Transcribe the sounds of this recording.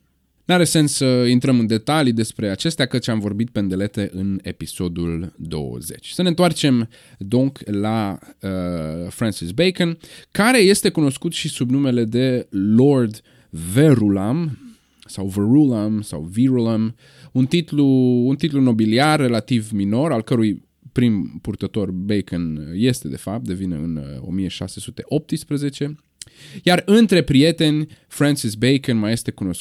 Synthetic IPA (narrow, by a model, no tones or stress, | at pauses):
nuaɾe̞se̞nssəint̪ɾəmɨnd̪e̞t̪alid̪e̞spɾe̞at͡ʃe̞st̪eakət̪t͡ʃamvo̞rbit̪̚pend̪e̞le̞t̪e̞ʔɨne̞̰piso̞d̪uld̪o̞̰wə̰ze̞̰t͡ʃʲsəne̞nt̪oart͡ʃe̞m | d̪oŋklaəfɾansisbejkənkaɾe̞je̞st̪e̞kuno̞skut̪ʃisubnume̞le̞d̪e̞lo̞rd̪ | veɾulam | sawveɾulamsa̰wviɾulam | unt̪it̪luːnt̪it̪luno̞biliarːe̞lat̪ivmino̞ɾalkəɾuj | pɾimpurt̪ət̪o̞rbejkənje̞st̪e̞d̪e̞fap̚t̪̚d̪e̞vinḛɨ̰no̞̰mijeʃa̰se̞sut̪e̞ʔo̞p̚t̪ɨspɾeze̞t͡ʃe̞ | jarɨnt̪ɾe̞pɾije̞t̪e̞nʲfɾansisbejkenmaje̞st̪e̞kuno̞s